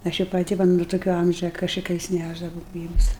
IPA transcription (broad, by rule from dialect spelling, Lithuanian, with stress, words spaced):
ˈɐʃ ɪ pɐˈtʲɪ ˈʋɐ nʊ tʊˈkʲoː ˈɐmʲʒʲɛ kɐʃʲɪˈkɐɪs ˈnʲæʒdɐʋɐʊ ˈɡrʲiːbʊs